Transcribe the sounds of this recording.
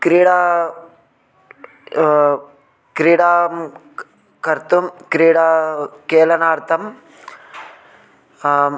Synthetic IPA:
kɾiːɽaː | kɾiːɽaːm | kɐɾt̪umkɾiːɽaːkeːlɐnaːɾt̪ʰɐm

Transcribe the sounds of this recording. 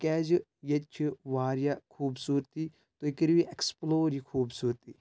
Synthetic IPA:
kɛːd͡ʒɨ | jet͡ʃʰiʋaːɾijakʰuːbsuːɾt̪i | t̪oikəɾʋiʔeksploːɾikʰuːbsuːɾt̪iː

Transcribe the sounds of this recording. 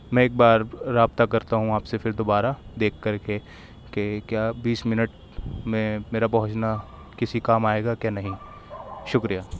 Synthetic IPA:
mɛ̃ːeːk̚baːɾːaːb̚t̪akɐɾt̪aɦũaːpsefʰɪɾd̪oːbaːɾad̪eːkʰːɐɾke | kekjaːbiːsmɪnəʈ | mẽmeːɾapɐɦʊ̃t͡ʃna | kɪsikaːmaːeːɡakjaːnɐɦĩ | ʃʊkɾijaː

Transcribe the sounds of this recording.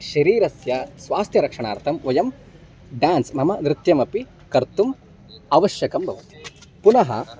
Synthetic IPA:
ʃɐɾiːɾɐsjɐsʋaːst̪ʰjɐɾɐkʂɐɳa̰ːɾt̪ʰɐmʋɐjɐm | ɖaːnsmɐmɐnɾɪt̪jɐmɐpi | kɐɾt̪um | ɐʋɐʃjɐkɐmbʱɐʋɐt̪i̥punɐɦɐ̰

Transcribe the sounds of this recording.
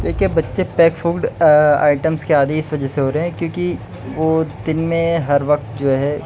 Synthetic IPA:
d̪eːkʰiebɐtːʃepɛːkfʰuːɡɖa̰ːɪʈəmskeaːd̪iɪsʋɐd͡ʒɛseɦoːɾɐɦɛ̃kjõːki | ʋoːd̪ɪnmẽɦɐɾʋɐk̚t̪d͡ʒoːɦɛː

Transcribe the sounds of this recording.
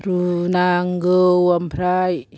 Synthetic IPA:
ɾunaŋɡəwampʰɾaj

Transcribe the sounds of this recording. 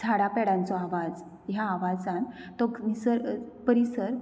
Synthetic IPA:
d͡zʰʱaɽapɛɽãnt͡sɔaʋad͡z | jaːʋad͡zant̪ɔkmisəɾpəɾisəɾ

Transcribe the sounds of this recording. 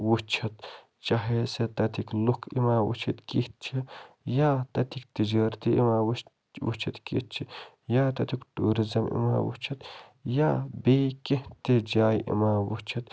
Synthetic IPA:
wut͡ʃʰɐt̪ | t͡ʃaːɦeset̪ɐt̪ʰiklukʰḭmaːwṵt͡ʃʰit̪kit̪̚t͡ʃʰi | jaːt̪ɐt̪ʰikt̪id͡ʒaːɾt̪iʔḭmaː | wṵt͡ʃʰit̪kḭt̪̚t͡ʃʰi | jaːt̪ɐt̪ʰikʈuːɾizɐmḭma̰ːwṵt͡ʃʰɐt̪jaːbeːket̪ed͡ʒaːjʔḭmaːwut͡ʃʰɐt̪

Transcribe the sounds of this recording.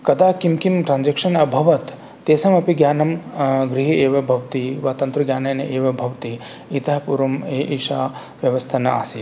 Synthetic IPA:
kɐd̪aːkimkimʈɾaːnd͡ʒɐkʂɐnɐbʱɐʋɐt̪ː | eːsɐmɐpiɡjaːnɐmɡɾiɦieːʋɐbʱɐʋt̪iʋaːt̪ɐnt̪ɾuɡjaːnɐjnɐʔeːʋɐbʱɐʋt̪i | it̪ɐɦɐpuɾɐmeːʔiʃaː | ʋjɐʋɐst̪ʰɐnɐa̰ːsi

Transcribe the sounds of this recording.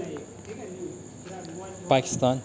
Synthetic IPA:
paki̥st̪an

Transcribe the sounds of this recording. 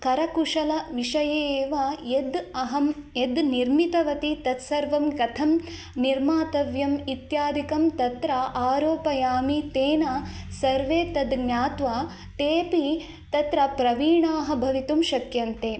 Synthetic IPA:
kɐɾɐkuʂɐlɐʋiʂɐjeːʋaːjed̪ɐɦɐmed̪niɾmit̪ɐʋɐt̪it̪ɐt̪sɐɾʋɐmɡɐt̪ʰɐm | niɾmaːt̪ɐʋjɐmit̪jaːd̪ikɐmt̪ɐt̪ɾaʔaːɾoːpɐjaːmit̪eːnaːsɐɾʋeːt̪ɐd̪ɡɲaːt̪ʋaː | ʈeːpi | t̪ɐt̪ɾɐpɾɐʋiːɳaːɦɐ̆bʱɐʋit̪umʃɐkjɐnt̪eː

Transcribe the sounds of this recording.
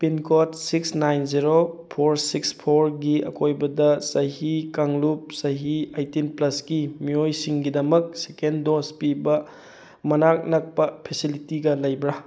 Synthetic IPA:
pinkʰotsiksnajnziɾopʰoɾsikspʰoɾɡiɐ̰kʰojbɐdɐsɐɦikaŋlup̚sɐɦiajtinplɐsɡimiojsiŋɡidɐmɐk̚sekendospibɐ | mɐnak̚nɐk̚pɐpʰesilitiɡɐlɐjbɾa

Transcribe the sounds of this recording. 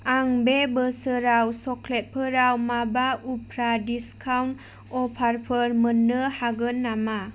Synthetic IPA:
aŋbebəsəɾawsɔklet̚pʰəɾawmabaupʰɾadiskʰawn | ɔpʰaɾpʰəɾmənːɯhaɡɯnːama

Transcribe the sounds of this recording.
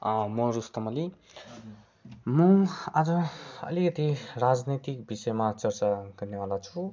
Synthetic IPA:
ʌ̃mʌɾust̪ʌmʌli | mʌad͡zʌʌ̰likʌt̪irad͡znit̪ikbisʌjmat͡sʌrt͡saɡʌrneɦʌ̃lat͡sʰu

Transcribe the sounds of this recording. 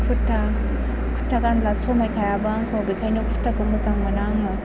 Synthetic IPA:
utʰːa | kʰu̥tʰːaɡanlasɔmajkʰajabaŋkʰobikʰajnokpʰu̥tʰːaɡumɯzaŋmanaŋɔ

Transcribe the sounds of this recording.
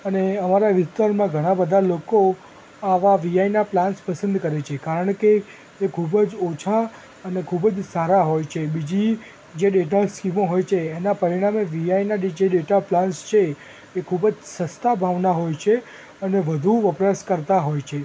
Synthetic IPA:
əneəmaɾaʋɪst̪aɾmãɡʱəɽ̃ãbəd̪ʱaloko | aʋaʋiajnaplãnspəsə̃nd̪kəɾet͡ʃʰekaɾəɳkeː | kʰubəd͡ʒot͡ʃʰa | ənekʰubəd͡ʒsaɾaɦojt͡ʃʰebid͡ʒi | d͡ʒeɖeʈaskimoɦojt͡ʃʰeːnapəɾiɽ̃ameʋiainaɖid͡ʒeɖeʈaplanst͡ʃʰeː | kʰubəd͡ʒsəst̪abʱaʋnaɦojt͡ʃʰe | əneʋəd̪ʱuʋəpɾəskəɾt̪aɦojt͡ʃʰe

